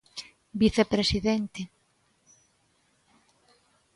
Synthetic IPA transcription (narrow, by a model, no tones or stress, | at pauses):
biθepɾesiðent̪e